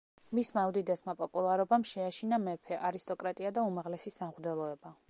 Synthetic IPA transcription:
mismawd̪id̪ɛsmapʼɔpʼulˠaɾɔbamʃɛaʃinamɛpʰɛʔaɾist̪ʼɔkʼɾat̪ʼiad̪aumaʁlɛsisamʁd̪ɛlˠɔɛba

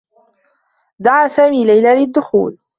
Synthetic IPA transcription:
d̪aʕaːsaːmiːlajlaːlɪd̪ːʊxṵːl

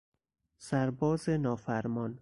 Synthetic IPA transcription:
sæɾbɒːzenɒːfæɾmɒːn

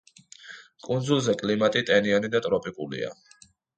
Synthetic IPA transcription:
kʼund̪zulˠzɛkʼlimat̪ʼit̪ʼɛnianid̪at̪ʼɾɔpʼikʼulḭa̰

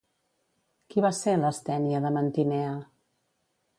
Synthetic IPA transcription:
kiβaseləst̪ɛniəðəmənt̪inɛə

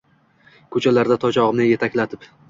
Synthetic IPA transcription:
kʰɵt͡ʃʰalaɾd̪at̪ʰɒt͡ʃʰɒʁɨmnɪje̞t̪ʰakʲlat̪ʰɪp

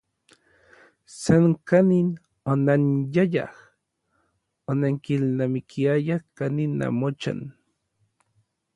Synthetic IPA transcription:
sankanin | onanjaja̰h | onaŋkilnamikʰiajahkanina̰mot͡ʃa̰n

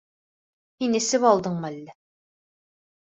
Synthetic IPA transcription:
hinɘ̆sɘβɑlˠd̪ɤɴmælːæ

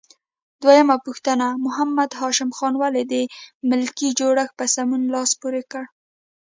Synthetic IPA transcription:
d̪wajamapuxt̪ənamʊɦamːad̪ɦɑʃɪmxɑnwaled̪əmɪlkid͡ʒoɽaxpəsamunlɑspuɾekəɽ

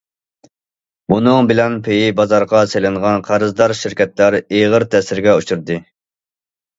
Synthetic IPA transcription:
bunɨŋbɪlɛnpʰejibɑzɑɾʁɑselɪŋʁɑnqʰɑɾɨzd̪ɑɾʃiɾkʲɛt̪læɾeʁəɾt̪ʰɛsɪɾɡʲɛut͡ʃuɾd̪ɨ

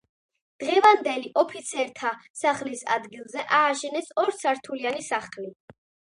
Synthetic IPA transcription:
d̪̥ʁɛvand̪ɛliʔɔpʰit̪sʰɛɾt̪ʰasaχlisa̰d̪ɡilˠzɛʔaːʃɛnɛsɔɾsʰaɾt̪ʰulianisaχli

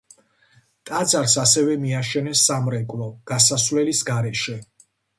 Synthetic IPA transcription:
t̪ʼad̪zaɾsasɛvɛmiaʃɛnɛsːamɾɛkʼlɔɡ̥asasvlɛlisɡaɾɛʃɛ

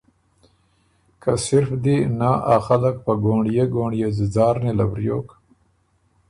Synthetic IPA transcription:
kasɪɾfd̪inaʔaxalak̚pəɡoɳɖjeɡoɳjezizɑːɾnelabɾjo̰k

